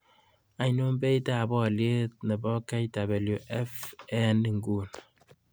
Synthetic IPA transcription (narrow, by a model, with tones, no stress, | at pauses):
a˨jnu˦m˦be˦i˦ta˦˨bɔ˦˨lje˦t̚nɛ˨bɔ˦ka˦jta˨be˨lju˨ʔɛ˦fɛ˦nːi˨ŋ˨ɡu˨n